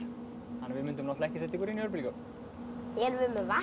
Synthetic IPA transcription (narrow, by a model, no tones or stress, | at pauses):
hanːvɪðmʏnt̪ʏmnɔht̪laɛhcɪsɛt̪ɪkvɔɾiniœɾp̬ɪlcœ̥ | ɛɾvɪmɛva